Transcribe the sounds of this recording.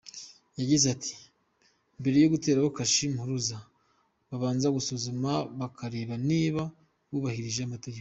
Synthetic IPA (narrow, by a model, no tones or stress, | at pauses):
jaɟizatʰi̥ | mbe̞ɾe̞joɡute̞ːɾaβokaʃimhuɾuza | βaβaːnzaɡusozumaβakʰaɾe̞ːβaniːβa | βuβahiɾiʒeamateɡeko